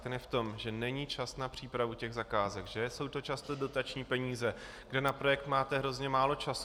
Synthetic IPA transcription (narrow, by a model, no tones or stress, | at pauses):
t̪ɛnɛft̪o̞mʒɛnɛɲit͡ʃasnapr̝̥iːpɾavucɛɣzakaːzɛkʒɛso̞wt̪o̞t͡ʃast̪odo̞t̪at͡ʃɲiːpɛɲiːzɛ | ɡdɛnapɾo̞jɛk̚t̪maːt̪ɛɦɾo̞zɲɛmaːlo̞t͡ʃas